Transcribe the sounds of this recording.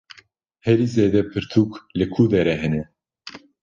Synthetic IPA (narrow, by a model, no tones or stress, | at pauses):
hɛɾiːzeːd̪ɛpʰɨɾt̪ʰuklɨkʰud̪ɛɾɛɦɛnɛ